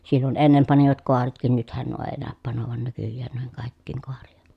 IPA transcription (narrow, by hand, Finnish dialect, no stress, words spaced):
silːon enːem pɑniʋɑt koɑretkin nythæn nuo eː næˑøp pɑnoʋɑn nykyjːæːn nuiheŋ kɑˑikːiːŋ koɑrijɑ̥